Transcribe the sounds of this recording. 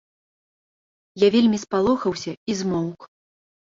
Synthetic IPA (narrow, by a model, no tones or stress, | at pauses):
javʲelʲmʲispalˠɔxɐwsʲɐizmɔwk